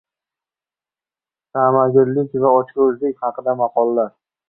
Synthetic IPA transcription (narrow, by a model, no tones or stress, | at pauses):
samaɡʲɪɾlɪkʲvaɒt͡ʃkʲʊzlɪkʲχɑqʰɨd̪amɑqʰɒlˠːaɾ